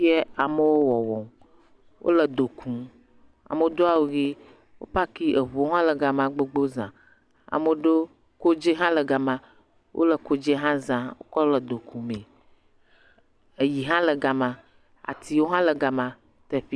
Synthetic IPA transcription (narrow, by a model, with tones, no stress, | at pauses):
i˦ɛ˦a˨mə˦wo˦wɔ˨wɔ˨m | wʔo̰˦lə˨d̪o˨kʰũ˨ | a̰˨mə˦d̪o˦a˦˨wo˨ɣi˦ | wo̰˦pa˦ki˦ʔe˨βu˨o˦ɦã˦lə˨ɡa˨mã˨ɡ͡be˦ɡ͡bo˦zã̰˨ | a̰˨mə˨ɖo˦ | ko˦d͡ʒe˦ɦã˦lə˨ɡa˨mã˨ | wʔo̰˦lə˨ko˦d͡ʒe˦ɦã˦zã˨wo̰˦kɔ˦lə˨d̪o˨kũ˨mẽ˨ | e˨ji˨ɦã˦lə˨ɡa˨mã˨ | a̰˨t̪i˨wo˦ɦã˦lə˨ɡa˨mã˨ | t̪e˦ɸi˦